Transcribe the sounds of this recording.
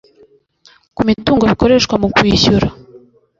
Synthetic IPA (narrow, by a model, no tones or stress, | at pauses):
kumituːŋɡoβiko̞ɾe̞ʃkwamukwiçuɾa